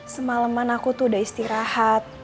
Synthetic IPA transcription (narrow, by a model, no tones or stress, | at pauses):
səmaləmanakut̪udaist̪iɾahat̪̚